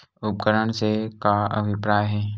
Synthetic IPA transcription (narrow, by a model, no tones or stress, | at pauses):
ʊp̚kəɾəɳsekaɐ̰bʱɪpɾaːjɦɛː